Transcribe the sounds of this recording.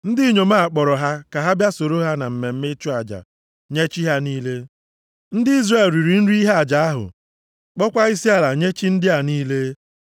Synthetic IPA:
n̩˦dɪ˦ɲo˨ma˦˨a˨k͡pɔ˨ɾɔ˨ɦa˦ka˨ɦa˦bja˦so˨ɾo˦ɦa˦na˨m̩˨me˨m̩˦me˦t͡ʃu˦a˨d͡ʒa̰˨ | ɲe˦t͡ʃi˦ɦa˦niː˦le˦ | n̩˦dɪ˦i˦zre˨lɾi˨ɾi˨n̩˦ɾi˦i˦ɦa˨d͡ʒa˨a˦ɦʊ̰˨ | k͡pɔ˦kʷa˦i˦si˦a˦la˨ɲe˦t͡ʃi˦n̩˦dɪ˦a˨niː˦le˦

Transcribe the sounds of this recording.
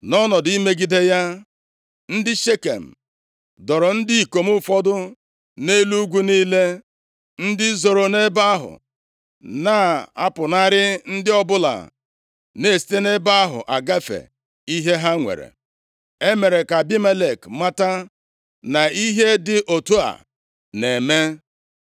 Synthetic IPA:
nɔ˦nɔ˨di˦me˦ɡi˦de˦ja˦ | n̩˦dɪ˦ʃe˦kḛ˨m̩˨ | dɔ˨ɾɔ˨n̩˦dɪ˦i˨ko˨mʊ˦fɔ˦dʊ˦ | ne˦lu˦ɡʷu˦niː˦le˦ | n̩˦dɪ˦zo˨ɾo˨ne˦ba˦ɦʊ̰˨ | na˦˨a̰˦pʊ˨na˦ɾɪ˦n̩˦dɪ˦ɔ˦bʊ˦la̰˨ | ne˦˨si̥˦te˦ne˦ba˦ɦʊ̰˨ʔa˨ɡa˦fḛ˨ | i˦ɦe˦ɦa˦ŋʷḛ˨ɾḛ˨ | e˦me˨ɾe˨ka˨bi˦me˦le˨kma˦ta˦ | na˨i˦ɦe˦dɪ˨ʔo˨tu˦a̰˨ | ne˨me˦

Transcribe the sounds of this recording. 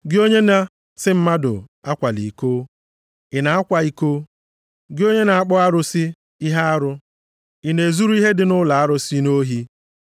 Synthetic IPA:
ɡɪ˦o˦ɲe˦na˦ | sɪ˦m̩˦ma˦dʊ̰˨a˦kʷa˨lḭ˨koː˦ | ɪ˨na˨a˦kʷa˨i˦ko˦ | ɡɪ˦o˦ɲe˦na˨a˦k͡pʊ˦a˦ɾʊ˦sɪ˦ | i˦ɦa˦a˦ɾʊ˦ | ɪ˨ne˨zu˦ɾu˦i˦ɦe˦dɪ˨nʊ˦la˨a˦ɾʊ˦si˦no˦ɦi˦

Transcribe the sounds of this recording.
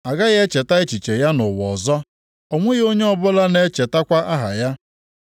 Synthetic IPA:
a˨ɡa˦ɣe˦t͡ʃe˨ta˦ɪ˦t͡ʃi˨t͡ʃe˨ja˦nʊ˨wɔ˨zɔ˦ | ɔ˨ŋʷʊ˦ɣo˦ɲe˦ɔ˦˨bʊ˦la˦ne˦t͡ʃe˨ta˦kʷa˦ʔa˦ɦa˨ja˦

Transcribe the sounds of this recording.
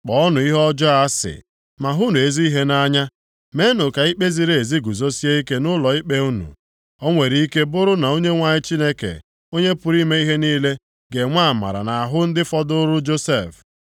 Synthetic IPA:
k͡pɔ˨ɔ˦nʊ˨i˦ɦɔ˦d͡ʒɔ˦a˦sɪ̰˨ | ma˨ɦu˦nu˨e˨zi˦i˦ɦe˦na˦ɲa˦ | me˦nʊ˨ka˨i˦k͡pe˦zi˨˦ɾe˨e˨zi˦ɡu˨zo˦si˦e˦i˦ke˦nʊ˦lɔ˨i˦k͡pe˦u˦nṵ˨ | ɔ˦ŋʷe˨ɾi˦i˦ke˦bʊ˦ɾʊ˦na˨o˦ɲe˦ŋʷa˨ɲɪ˦t͡ʃi˦ne˦kḛ˨ | o˦ɲe˦pʊ˨ɾi˦me˦i˦ɦe˦niː˦le˦ | ɡe˨ŋʷa˦a˨ma̰˨ɾa̰˨na˨a˨ɦʊ˦n̩˦dɪ˦fɔ˦dʊ˦ɾʊ˦d͡ʒo˦se˦˨f

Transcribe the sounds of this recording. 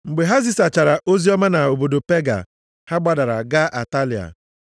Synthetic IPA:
ŋ͡m̩˨ɡ͡be˨ɦa˦zi˦sa˨t͡ʃa˨ɾa˨ʔo˦zi˦ɔ˦ma˦na˨o˨bo˨do˨pe˦ɡa̰˨ | ha˦ɡ͡ba˦da˨ɾa̰˨ɡa˦ʔa˨ta˦li˨a̰˨

